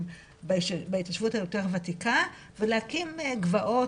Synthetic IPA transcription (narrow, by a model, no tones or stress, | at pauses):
bbaitaʃv̥uthajo̞te̞ʁvatika | veleakimɡvaʔo̞